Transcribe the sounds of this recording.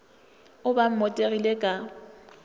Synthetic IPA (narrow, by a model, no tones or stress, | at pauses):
ʊbam̩mɔtʼeɣilekʼa